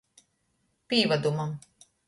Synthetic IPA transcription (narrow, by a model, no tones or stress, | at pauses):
pʲiːvad̪umam